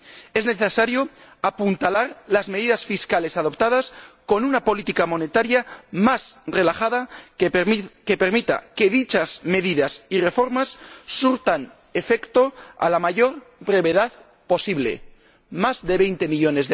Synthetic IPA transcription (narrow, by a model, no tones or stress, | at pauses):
e̞zne̞θe̞saɾjo̞apunt̪alaɾlazmeðiðasfiskale̞sað̞o̞pt̪að̞asko̞nunapo̞lit̪ikamo̞ne̞t̪aɾjamasre̞laχaða | kepe̞ɾmit̪a̰ke̞ðit͡ʃazme̞ðiðasire̞fo̞ɾmasːuɾt̪an | e̞fe̞kt̪o̞a̰lamaʝo̞ɾ | bɾe̞βe̞ðað | po̞siβle̞̰ | mazðe̞βe̞jnt̪e̞miʎo̞ne̞zðe